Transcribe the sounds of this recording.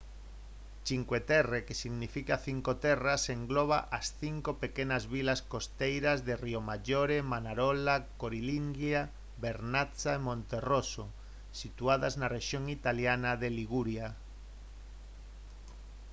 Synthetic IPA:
t͡ʃiŋkwet̪erekesiɣnifikaθiŋkot̪eraseŋɡloβ̞aʔasθiŋkopekenazβilaskost̪ejɾazðeriomaʝoɾemanaɾolakoɾiliŋɡja | βeɾnat͡saemõnt̪eroso | sit̪uaðaznareʃjoŋit̪aljanaðeliɣuɾja

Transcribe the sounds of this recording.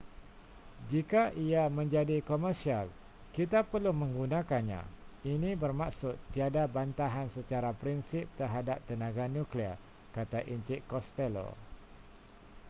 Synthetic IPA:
d͡ʒikaʔiamə̃ɲd͡ʒadikɔmərsial | kit̪apərlumə̃ŋɡunãkanɲã̰inĩbərmaksʊt̪ːiadabant̪aɦansət͡ʃaɾapɾinsɪp̚t̪ərɦadap̚t̪ənãɡanũklir | kat̪aʔiɲt͡ʃɪʔkɔst̪ɛlo̰

